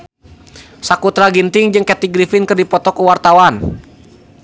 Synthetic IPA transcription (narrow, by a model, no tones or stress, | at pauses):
sakut̪ɾaɡint̪ɪŋd͡ʒɨŋkɛt̪iɡɾifɪnkɨrdipɔt̪ɔkuwart̪awan